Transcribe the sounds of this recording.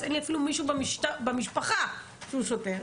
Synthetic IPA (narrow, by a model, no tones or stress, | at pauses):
zenliafilumiʃubemiʃtabemiʃpaχa | ʃeuʃoteʁ